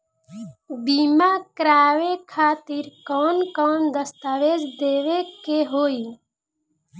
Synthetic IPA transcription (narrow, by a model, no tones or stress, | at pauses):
bimakɾaːʋekʰaːt̪iɾkɔːnkɔːnd̪əst̪aːʋeːd͡ʒd̪eːʋekeɦoːi